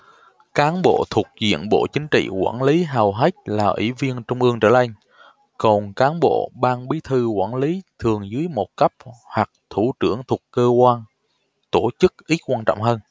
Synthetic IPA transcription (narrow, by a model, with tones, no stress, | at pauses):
kaː˨˦nɓo̰˧˨t̪ʰu˨˩ək̚zḭ˧˨ənɓo̰˧˨t͡ɕï˨˦ŋ̟t͡ɕḭ˧˨kwa̰ː˧˩nli˨˦ɦaː˨˩wɦa˦˥jk̟̚laː˨˩ʔwḭ˧˩vi˧ənt͡ɕʊ˧wŋ͡mʔɨ˧əŋt͡ɕəː˧˩nʔa˧jŋ̟ | kɔ˨˩nkaː˨˦nɓo̰˧˨ɓaː˧ŋɓi˨˦t̪ʰɨ˧kwaː˧˩nli˨˦t̪ʰɨ˨˩əŋzɨ˨˦əjmo˨˩t̚kə˦˥p̚hwa˨˩k̚t̪ʰu˧˩t͡ɕɨ˧˩əŋt̪ʰu˨˩əkkːəː˧kwaː˧n | t̪o˧˩t͡ɕɨ˦˥k̚ʔi˨˦˥t̚kwaː˧nt͡ɕɔ̰˧˨wŋ͡mɦəː˧n